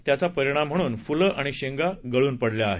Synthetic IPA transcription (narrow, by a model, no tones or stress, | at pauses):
t̪jat͡sapəɾiɽ̃am̤əɽ̃uːnfuləʔaɽ̃iɕeŋɡaɡəɭuːnpəɽljaːɦe